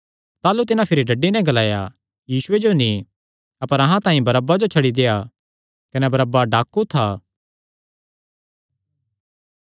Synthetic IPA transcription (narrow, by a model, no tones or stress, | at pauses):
t̪aːlut̪ɪnãpʰɪɾiɖɐɖːinɛ̃ɡɐlaːja | jiːsʊed͡ʒonĩ | ɐpəɾɐɦãt̪ãːĩbɐɾəbːad͡ʒot͡ʃʰɐɽid̪eːa | kɐnɛbɐɾəbaɖaːkːut̪ʰaː